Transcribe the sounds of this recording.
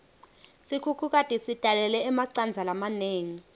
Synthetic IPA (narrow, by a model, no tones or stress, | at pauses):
sikʰukʰuk̬ʼatʼisid̥ʱalɛlɛːmaǀand͡zʱalamaneːŋi